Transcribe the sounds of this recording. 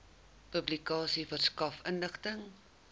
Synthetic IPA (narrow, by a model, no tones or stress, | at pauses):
pɵblikɑːsifərskɐfənləχtəŋ